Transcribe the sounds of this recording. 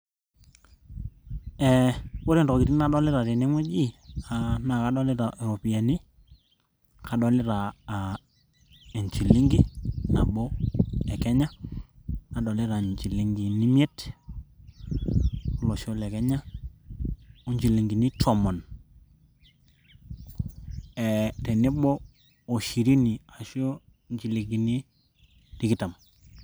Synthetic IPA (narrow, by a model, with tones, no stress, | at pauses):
ɛ˨bo˦ɾe˨ndɔ˨ki˨ti˦na˦ɗɔ˦lɪ˦ɾa˨te˨ne˦ŋɛ˦d͡ʒi˦a˨na˨ka˨˦ɗɔ˦lɪ˦ɾa˨ʔe˨ɾo˨pi˨a˨ni˦ | ka˨ɗɔ˨lɪ˦ɾaː˨ | e˨ɲt͡ʃi˨li˦ŋɡi˦na˨ɓo˦ɛ˨kɛ˦ɲa˦ | na˨ɗɔ˨lɪ˦ɾa˨ɲt͡ʃi˨li˦ŋɡi˨ni˦mje˦t | u˦lo˨ʃo˦le˨ke˦ɲa˦ | u˦ɲd͡ʒi˨li˨ŋɡi˨ni˦tʰo˨mo˨n | e˨te˨ni˦boː˦˨ | ʃi˨ɾi˦ni˨a˨ʃo˦ | ɲt͡ʃi˨li˨ɡi˨ni˦ | ti˨ki˦ta˨m